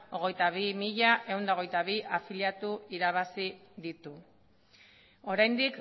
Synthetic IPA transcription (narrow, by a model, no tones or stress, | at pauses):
o̞ɣ̞e̞jt̪aβimiʎaʔe̞wnd̪ao̞ɣ̞e̞jt̪aβiʔafiljat̪uiɾaβ̞asiðit̪u | o̞ɾajnd̪ik